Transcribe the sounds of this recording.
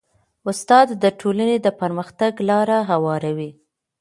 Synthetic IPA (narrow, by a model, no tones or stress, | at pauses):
ʊst̪ɑd̪ːəʈʰolaned̪əpəɾməxt̪aɡlɑɾaɦawɑɾawi